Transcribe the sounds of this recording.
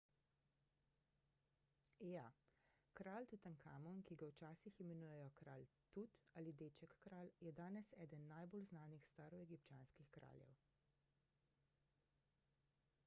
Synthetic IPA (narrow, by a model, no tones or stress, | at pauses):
jakɾaːlt̪ut̪ənkʰaːmɔnkiɡawt͡ʃaːsiximɛnuːjɛjɔkɾaːlt̪ut̪aːlid̪eːt͡ʃɛkːɾaːljɛd̪aːnɛsɛːd̪ənːajbolznaːnixst̪aːɾɔɛɡipt͡ʃjaːnskixkɾa̰ːljɛ̰w